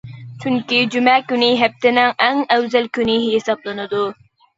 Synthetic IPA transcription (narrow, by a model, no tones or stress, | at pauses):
t͡ʃʰyŋkʲid͡ʒymɛkʲynɪɦɛp̚t̪ɪnɪŋɛŋɛwzɛlkʲynɪɦesɑblˠɨnɨd̪u